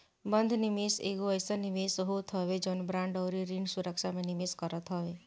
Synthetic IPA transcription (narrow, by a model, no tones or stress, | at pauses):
bənd̪ʱnimisḛɡoəjsənimesɦot̪ʰɔʋed͡ʒɔnbɾãɳɖɔwɾiɾiɳɖsuɾəkʃamẽnimeskəɾɔt̪ʰɦɔʋe